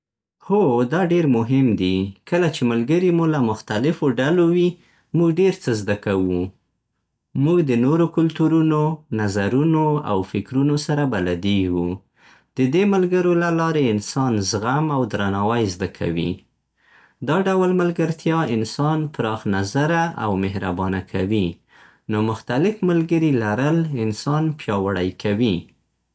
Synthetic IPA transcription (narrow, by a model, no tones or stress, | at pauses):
hod̪ɑɖeɾmʊɦɪmd̪ikəlat͡ʃemalɡəɾimulamʊxt̪alɪfoɖalowi | muɡɖeɾt͡səzd̪akawu | muɡd̪ənoɾokʊlt̪uɾunonazaɾunoa̰wfɪkɾunosaɾabalad̪iɡu | d̪̥əd̪emalɡəɾolalɑɾeɪnsɑnzɣamawd̪ɾanɑwajzd̪akʰa̰wḭ | d̪ɑɖawlmalɡaɾt̪jɑɪnsɑnpɾɑxnazaɾaʔa̰wmɪhɾabɑnakʰawi | nomʊxt̪alɪfmalɡəɾilaɾəlɪnsɑnpjɑwaɽajkʰawi